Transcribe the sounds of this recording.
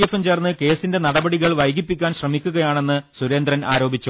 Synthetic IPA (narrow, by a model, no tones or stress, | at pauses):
efemt͡ɕeːrnːɨke̞ːsinde̞nɐɽɐbɐɽiɣɐɭʋɐjɡipːikʲːaːnɕrɐmikʲːuɣɐjaːɳe̞nːɨsuɾe̞ːnd̪rɐna̰ːɾo̞ːbit͡ɕːu